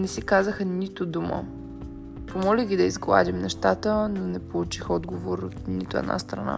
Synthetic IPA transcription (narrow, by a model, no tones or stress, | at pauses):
nɛsikazəxənit̪od̪umə̰ | pomɔlʲiɡʲid̪ɐizɡlˠa̰d̪ʲimnɛʃt̪at̪ənonɛpolˠut͡ʃixɔd̪ɡovoɾot̪nit̪ʊɛ̰d̪na̰st̪ɾɐ̰na̰